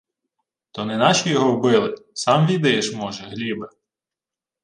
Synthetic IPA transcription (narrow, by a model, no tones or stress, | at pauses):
t̪ɔnɛnɑʃʲijɔɦɔwbɪlˠɪsɑmʋʲid̪ɪʃmɔʒɛɦlʲibɪ